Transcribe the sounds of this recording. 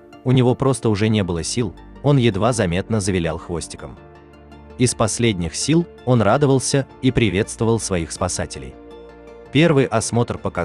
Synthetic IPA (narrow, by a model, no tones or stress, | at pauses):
ʊnʲɪvo̞pɾo̞st̪əʊʐɛnʲebɨlˠəsʲilˠ | o̞njɪd̪vazɐmʲe̞t̪̚nəzəvʲɪlʲalˠxvo̞sʲtʲɪ̥kəm | ɪspɐsʲlʲedʲnʲɪxsʲilˠ | o̞nrad̪əvəlˠsʲə | ipɾʲɪvʲe̞t̪st̪vəvəlˠsvɐixspɐsatʲɪlʲɪ̰j | pʲe̞rvɨjʔɐsmo̞t̪rpəkɐ